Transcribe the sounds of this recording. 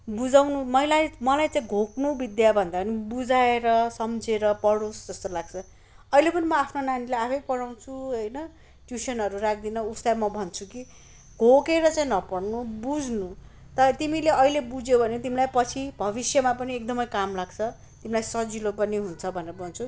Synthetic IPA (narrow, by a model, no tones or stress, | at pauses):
bud͡zawnumʌilajmʌlajt͡saĩɡʱoknubid̪jabʱʌnd̪aʌnibud͡zaeɾʌsʌmd͡zeɾʌpʌɽosd͡zʌst̪olaɡ̚t͡sʰʌ | ʌilepʌnimʌapʰnonanilajapʰʌjpʌɽaw̃t͡sʰuɦʌjnʌ | ʈjusʌnɦʌɾurak̚ʰd̪inʌuslajmʌbʱʌnt͡sʰuki | ɡʱokeɾʌt͡sãĩnʌpʌɽnubud͡znu | t̪ʌɾʌt̪imileʌilebud͡zjobʱʌnet̪imilajpʌt͡sʰibʱʌβisjʌmapʌniekd̪ʌmʌjkamlaɡt͡sʰʌ | t̪imilajsʌd͡zilopʌniɦunt͡sʰʌbʱʌneɾʌbʱʌnt͡sʰu